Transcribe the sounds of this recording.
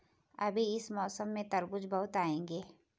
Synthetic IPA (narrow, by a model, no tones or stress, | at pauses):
ɐbʱiɪsmɔːsəmːẽt̪ɐɾbʊd͡ʒbɐɦʊt̪aːẽːŋɡeː